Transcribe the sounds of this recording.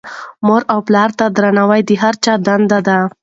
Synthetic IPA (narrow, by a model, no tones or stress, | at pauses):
moɾawplɑɾt̪ad̪ɾanawajd̪iɦaɾt͡ʃɑd̪and̪ad̪a